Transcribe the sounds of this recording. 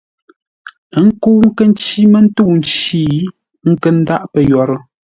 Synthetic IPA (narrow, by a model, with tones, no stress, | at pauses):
ə˦ŋ̩˦ko˦ŋ̩˦kə˦n˦t͡ʃi˦mə˦n̩˦tu˦˨n̩˦t͡ʃiː˦ | ŋ̩˦kə˦n̩˦da˦ʔpə˨jɔ˨ɾə˦